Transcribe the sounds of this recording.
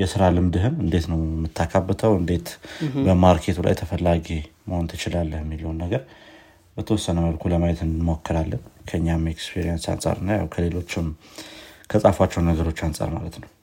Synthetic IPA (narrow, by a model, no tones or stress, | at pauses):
jɛsɨɾalɨmd̪ɨɦɨmɨnd̪e̞t̪nəwmːɨt̪ʰːakʰabːət̪ʰəwɨnd̪e̞t̪bəmaɾkʰe̞t̪ʰula̰jt̪ʰəfəlːaɡiməho̞nt̪ʰɨt͡ʃɪlalːəhɛmːiləwnːəɡəɾ | bət̪ʰəwɔsːənəməlkʰuləmajɛt̪ɨnɨmokːɨɾalːənkʰəɨɲːamekspʰiɾijansa̰nsʼa̰ɾɨnːaja̰wkʰəle̞lo̞t͡ʃːɪm | kʰəsʼafwat͡ʃːɛwnːəɡəɾo̞t͡ʃːansʼa̰ɾma̰lət̪nəw